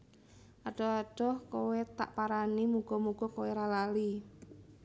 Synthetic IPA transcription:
ʔaɖ̥ɔaɖ̥ɔhkowet̪a̰ʔpaɾanimuɡ̥ɔmuɡ̥ɔkoweɾalali

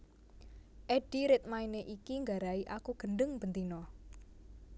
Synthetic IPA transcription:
ʔɛɖ̥iɾɪt̪̚maineʔikiŋɡaɾaiʔakuɡ̥ənɖəŋb̥ənt̪inɔ

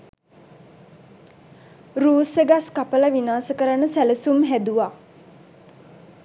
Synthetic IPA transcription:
ruːsəɡaskapəlaʋinaːsəkəɾanəsæləsumɦæd̪uʋaː

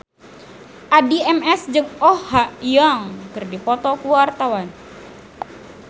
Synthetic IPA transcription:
ʔadiɛmɛsd͡ʒɨŋɔhaʔjaŋkɨrdipɔt̪ɔkuwart̪awan

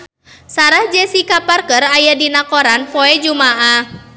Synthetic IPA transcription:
saɾahd͡ʒɛsikaparkərajadinakɔɾanpɔɛd͡ʒumaʔa

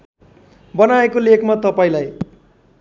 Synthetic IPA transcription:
bʌnaekolekmat̪ʌpaĩlaj

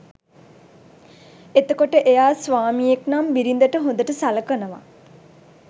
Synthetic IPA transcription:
et̪əkoʈəʔejaːsʋaːmijeknambiɾind̪əʈəɦond̪əʈəsaləkənəʋa̰

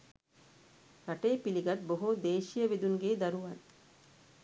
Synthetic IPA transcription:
ɾaʈeːpiliɡɐʈ̪̚boɦud̪eːʃijəʋid̪uŋɡeːd̪ɐɾuʋɐn

